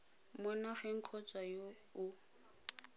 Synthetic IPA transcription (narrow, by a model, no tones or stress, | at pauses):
mʊnaχɛŋ̩kʰɔt͡sʼajo | ʊ